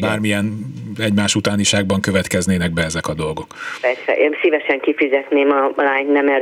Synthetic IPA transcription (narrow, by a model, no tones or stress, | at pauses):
baːrmijɛnɛɟmaːʃut̪aːniʃaːɡbɒŋkø̞vɛt̪kɛzneːnɛɡ̚bɛɛzɛkɒd̪o̞lɡo̞kpɛrsɛ̰ʔeːnsivɛʃɛŋkifyzɛt̪neːmɒlaːɲnɛmɛ